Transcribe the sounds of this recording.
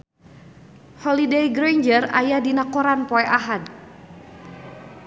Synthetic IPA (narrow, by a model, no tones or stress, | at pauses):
hɔlidejɡɾajɲd͡ʒəra̰jadinakɔɾanpɔɛʔaɦad